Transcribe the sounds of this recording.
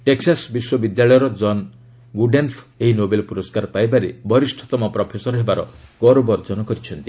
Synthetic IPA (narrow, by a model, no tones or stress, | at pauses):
ʈeksasbiswɔbid̪jaɭɔjɔɾɔd͡ʒɔn | ɡuɖenpʰeɦinobelɔpuɾɔskaɾpajbaɾebɔɾisʈʰɔ̥t̪ɔmɔpɾɔpʰesɔɾɔɦebaɾɔ̰ɡɔɾobɔɾd͡ʒɔnɔkɔɾit͡ʃʰɔnt̪i